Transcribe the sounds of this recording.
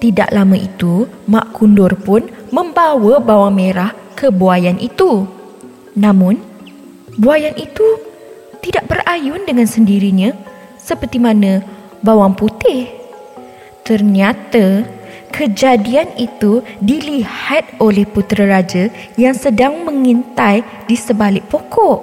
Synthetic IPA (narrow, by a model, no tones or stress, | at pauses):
t̪ida̰ʔlamə̃ʔit̪u | mãʔkundʊrpʊnmə̃mbawəbawaŋmeɾah | kəbuajanʔḭt̪u | nãmʊ̃n | buajanʔit̪u | t̪idaʔbərʔajʊndəŋãnsəndiɾiɲã | səpərt̪imãnã | bawaŋput̪ɪh | t̪ərɲat̪a | kʰəd͡ʒadianit̪udilihat̪̚olɛhput̪ɾaɾad͡ʒa | jaŋsədaŋmə̃ŋint̪aj | disəbalɪkʔ̚pokʰɔʔ